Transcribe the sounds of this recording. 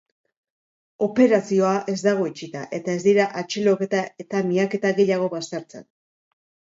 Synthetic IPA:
o̞pe̞ɾasio̞aʔe̞zd̪aɣ̞o̞it͡ʃit̪aʔe̞t̪ae̞zd̪iɾaʔat͡ʃeloket̪aet̪amiake̞t̪aɣe̞ʎaɣ̞o̞βast̪eɾt͡sḛn

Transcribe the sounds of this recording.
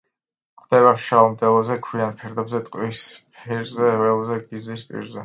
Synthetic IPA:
χʰd̪̥ɛβaʃalˠmd̪ɛlˠɔzɛkʰwianpʰɛɾd̪ɛbzɛt̪ʼqʼwispʰiɾzɛɛlˠɔzɛɡizwispʼḭɾzɛ

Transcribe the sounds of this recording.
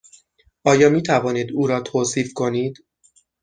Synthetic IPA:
ʔɒːjɒːmiːt̪ʰævɒːniːd̪uːɾɒːt̪ʰoːsiːfkʰo̞niːd̪̥

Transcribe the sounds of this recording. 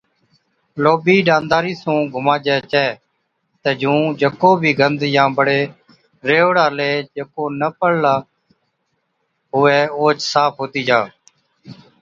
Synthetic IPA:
loːbiːɖãːnd̪aːɾiːsũːɡʱʊmaːd͡ʒɛːt͡ʃɛː | t̪eːd͡ʒũːd͡ʒəkoːbʱiːɡənd̪jãːbəɽeː | ɾeːɽaːleːd͡ʒəkoːnəpəɽlaː | ɦʊɛːoːt͡ʃsaːpʰɦoːt̪iːd͡ʒaː

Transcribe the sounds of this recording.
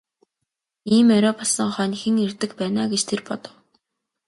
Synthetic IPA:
iːmœwɾɔpʰḁsə̆ŋχœːnʲxɘ̆ŋirt̪ɘ̆kpæːnaːɡet͡ɕt̪ʰerpɔt̪ɞ̆w

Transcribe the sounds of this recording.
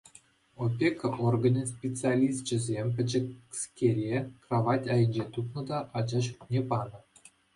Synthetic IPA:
opʲekɤʔorɡə̆nʲɤ̆spʲet͡sɨalʲist͡ɕɘ̆zʲemʲp̬ʲɘ̆d͡ʑɘ̆skʲerʲekraʋɑtʲɑjə̆nʲd͡ʑet̪upnɤ̆d̪ɑʔɑd͡ʑɑɕutʲnʲepɑnɤ̆

